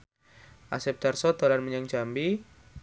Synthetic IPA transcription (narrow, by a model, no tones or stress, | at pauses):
ʔasɛp̚d̥̪arsɔd̪̥olanməɲaŋd͡ʒambi